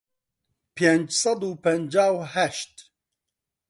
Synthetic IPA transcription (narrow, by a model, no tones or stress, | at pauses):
pʰend͡ʒsɑd̪uːpʰɛnd͡ʒaːwhæʃt̪